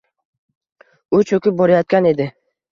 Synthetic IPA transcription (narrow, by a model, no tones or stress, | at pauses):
ʊt͡ʃʰɵkʲɪp̚boɾajɒt̪̚kʲane̞d̪ɪ